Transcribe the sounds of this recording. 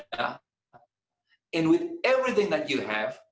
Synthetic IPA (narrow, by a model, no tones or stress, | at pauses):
ɨ̃nwɨðɛvɹiθɪ̃ŋðɨt͡ʃɨɨv̥